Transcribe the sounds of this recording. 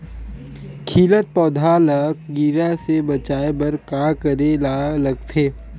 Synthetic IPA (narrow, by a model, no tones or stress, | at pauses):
kʰiːlət̪̚pɔːd̪ʱalək̚ɡiɾasebɐt͡ʃaːebɐɾkakəɾelalɐɡt̪ʰeː